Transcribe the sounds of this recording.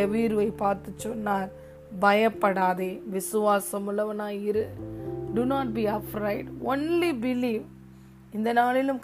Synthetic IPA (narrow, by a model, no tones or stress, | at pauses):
ɐʋiːɾɯʋɐɪpaːɾt̪ɯt͡ʃːɔnːaːɾ | bɐjɐpːɐɽaːðeʋɪsɯʋaːsɐmʊlɐʋɐnaːɪɾɯɖunaːʈ̚biːɐfɾɐɪɖonlibɪliːʋ | ɪnd̪ɐnaːlɪlɯmk